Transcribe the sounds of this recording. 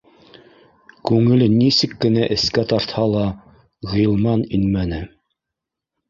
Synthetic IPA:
kʉŋɘ̆lɘnisɘkːɘ̆næʔɘ̆skæt̪ɑɾt̪hɑlˠɑ | ʁɤĭjɤ̆lˠmɑninmænɘ

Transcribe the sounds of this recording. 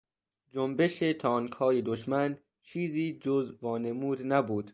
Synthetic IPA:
d͡ʒombe̞ʃet̪ʰɒːŋkʰhɒːje̞d̪oʃmæn | t͡ʃʰiːziːd͡ʒozvɒːne̞muːd̪næbuːd̪̥

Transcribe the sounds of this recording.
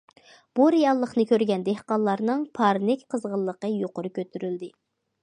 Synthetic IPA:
b̥uɾejɑlˠːəχnɨkʲʰøɾɡʲɛnd̪ehqɑnlˠːɑɾnɨŋpʰɑɾnɪkʲqʰəzʁəlˠːəqəjoqʊɾɨkʲʰøt̪ʰyɾyld̪ɪ

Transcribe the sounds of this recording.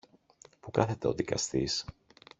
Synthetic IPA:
pukɐθe̞t̪e̞o̞ðikɐ̰st̪is

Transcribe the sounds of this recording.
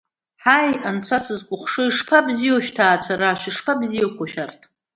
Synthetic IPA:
ħajant͡sʷʰasɨzkʷʼʊχʷʂɨiʂpʰabzijoʃᶣtʰaːt͡sʷʰaɾaʃᶣɪʂpʰabzijakʷʰaʃᶣartʰ

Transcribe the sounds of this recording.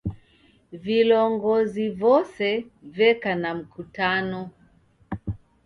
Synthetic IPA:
vilɔŋɡɔzivɔsɛvɛkanam̩kutanɔ

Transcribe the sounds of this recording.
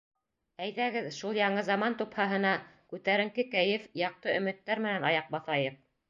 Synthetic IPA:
æjðæɡɘðʃulˠjɑɴɤzɑmɑnt̪uphɑɦɤ̆nɑkʉt̪æɾɘ̆ŋkɘkæjɘfjɑq̚t̪ɤɵ̆mɘ̆t̪ːæɾmɘ̆nænɑjɑq̚bɑθɑjɤq̚

